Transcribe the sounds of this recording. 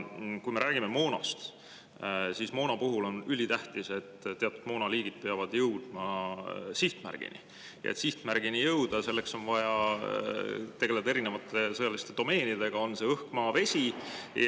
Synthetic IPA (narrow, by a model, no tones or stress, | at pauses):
kujme̞ɾʔæːɡ̥ime̞mo̞ːnɑ̰st̪ | sismo̞ːnɑpuɦulo̞nylʲit̪æht̪ise̞t̪ːeɑt̪ˑud̪̥mo̞ːnɑliːɡ̥id̪̥̚peɑvɑd̪̥jɤwd̪̥mɑsiht̪mæ̰rɡ̥ḭnḭ | jɑ̰et̪siht̪mærɡ̥inijɤwd̪̥ɑse̞lːekso̞nvɑjɑ | t̪e̞ɡe̞le̞d̪ɑe̞ɾine̞vɑt̪ːˑe̞sɤjɑlist̪e̞d̪̥o̞me̞ːnid̪e̞ɡ̥ɑonse̞ɤhkmɑːve̞sʲij